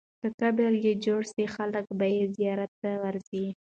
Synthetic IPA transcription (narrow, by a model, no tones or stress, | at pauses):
kəkabeljed͡ʒoɽsixaləkbajezijɑɾat̪ːawaɾzi